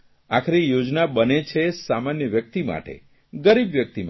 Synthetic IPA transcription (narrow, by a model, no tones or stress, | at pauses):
akʰɾijod͡ʒnabənet͡ʃʰesamanjəʋjək̚t̪ima̰ʈḛ | ɡəɾibʋjək̚t̪im